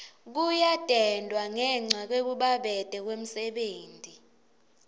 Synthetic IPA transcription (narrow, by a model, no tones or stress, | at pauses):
k̬ujad̥ʼʱɛndʼʱwaŋɛŋ͡ǀʱak̬wek̬uɓaɓɛd̥ʱɛk̬wem̩sɛɓeːntʼi